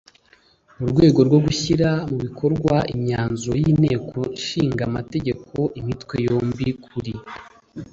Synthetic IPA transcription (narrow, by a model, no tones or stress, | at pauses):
uɾɡwe̞ːɡo̞ɾɡwo̞ɡuçiɾamuβikʰo̞ɾɡwaimɲaːnzojine̞ːkʰo̞ʃiːŋɡamate̞ɟe̞kʰo̞ʔimitwe̞jo̞ːmbikʰuɾi